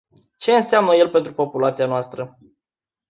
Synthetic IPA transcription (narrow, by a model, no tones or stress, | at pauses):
t͡ʃe̞ɨnseamnəje̞lpe̞nt̪ɾupo̞pulat̪sianoast̪ɾə